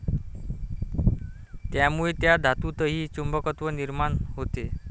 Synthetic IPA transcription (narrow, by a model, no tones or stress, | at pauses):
t̪jamuɭet̪jad̪ʱat̪ut̪əɦiːt͡ɕumbəkət̪ʋəniɾmanɦot̪e